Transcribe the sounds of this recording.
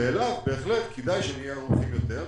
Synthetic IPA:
eːlatbe̞ːχlet̪kʰedajʃenijeʁomχimjo̞t̪eʁ

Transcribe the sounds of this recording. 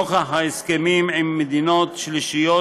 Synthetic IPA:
oχaɦaeskemimimːed̪inot̪ʃliʃijo

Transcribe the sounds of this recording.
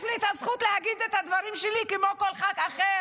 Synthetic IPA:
t͡sliet̪hazχut̪leaɡid̪et̪ad̪vaʁimʃelikemoko̞lχakaχe

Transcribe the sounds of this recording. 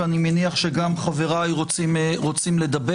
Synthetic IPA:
animeniaχʃe̞ɡamχave̞ʁajʁot͡simʁot͡simle̞d̪abe

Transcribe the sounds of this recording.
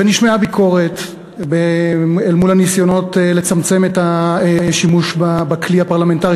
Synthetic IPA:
eniʃmeabikʰo̞ʁe̞t | beelmulhanisjo̞no̞tele̞t͡samt͡se̞metaʃimuʃbabakliapaʁlame̞ntaʁi

